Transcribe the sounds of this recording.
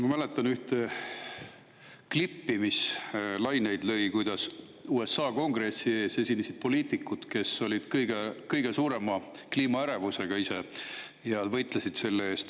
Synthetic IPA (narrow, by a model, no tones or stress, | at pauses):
mɑmæle̞t̪ːˑɑnyht̪e | klipːimislɑjne̞jd̪̥lø̞jkujd̪̥ɑs | uːe̞sːɑːko̞ŋɡre̞sːie̞ːse̞sʲinesid̪̥̚po̞liːt̪ˑikːˑut̪ke̞so̞lʲid̪̥kɤjɡ̥e̞kɤjɡ̥e̞suːɾe̞mɑ | kliːmɑæɾevuse̞ɡ̥ɑise̞ | jɑd̪vɤjt̪ˑlesid̪̥se̞lːeeːst̪